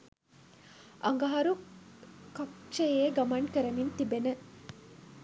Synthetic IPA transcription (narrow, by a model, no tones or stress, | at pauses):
ʔɐ̰ŋɡɐɦɐɾu | kɐkʃejeːɡɐmɐɳʈkəɾɐmint̪ibenə